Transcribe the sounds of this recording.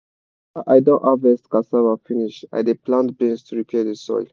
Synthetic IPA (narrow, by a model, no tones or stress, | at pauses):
ajdɔ̃ʔavɛstkasavafiniʃa̰deplãntbɛ̃nstuɹikʰɛdesɔ̰jl